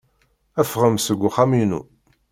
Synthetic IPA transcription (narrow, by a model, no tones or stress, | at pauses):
æfʁəmsəɡʷːʊχaminṵ